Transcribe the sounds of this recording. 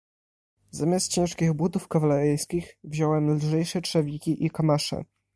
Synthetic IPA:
zamʲast̪̚t͡ɕɛ̃w̃ʂkʲiɣbud̪ufkavalɛɾɘjskʲixvʑɔwɛmlʐɛjʂɛtʂɛvʲikʲiʔikɔmaʂɛ̰

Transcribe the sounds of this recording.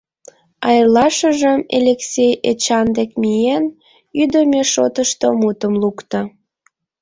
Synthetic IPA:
ɑjrlɑʃəʒəmḛlʲeksʲejet͡ɕɑnd̪ekmijen | yd̪əmeʃot̪əʃt̪omut̪əmlukt̪o

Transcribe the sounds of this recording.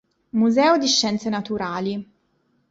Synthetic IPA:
muzɛːod̪iʃːɛnt̪senɐt̪uɾaːli

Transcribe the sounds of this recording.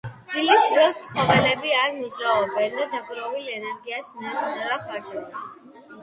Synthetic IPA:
d̪zilisd̪ɾɔst̪sʰχɔvɛlɛbiaɾnit͡ʃʼɾaɔbɛnd̪ad̪aɡʼɾɔvilɛnɛɾɡiasnaɾtnɛɾaχaɾd͡ʒɔba

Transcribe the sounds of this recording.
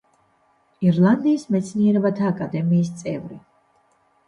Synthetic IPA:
iɾlˠand̪iːsmɛt̪sʰniɛɾɛbat̪ʰaːkʼad̪ɛmiːst̪sʼɛvɾi

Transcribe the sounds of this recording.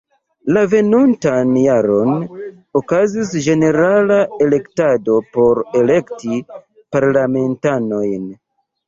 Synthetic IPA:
lave̞nuntanjaɾo̞n | okazis̬d͡ʒe̞ne̞ɾalae̞le̞ktado̞po̞ɾe̞le̞kti | paɾlame̞ntano̞jn

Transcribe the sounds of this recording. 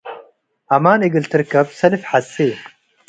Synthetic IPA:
ɐmaːniɡilt̪ɨɾkɐpsɐlifħase

